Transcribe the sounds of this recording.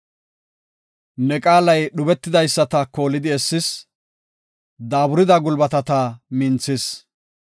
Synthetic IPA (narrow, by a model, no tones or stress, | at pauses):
nɛkʼaːlɐjɗʊbɛt̪ːɪd̪ɐjsːɐt̪ɐko̞ːlɪd̪ɪɛsːɪs | d̪aːbʊɾɪd̪ɐɡʊlbɐt̪ɐt̪ɐmɪnt͡sːɪs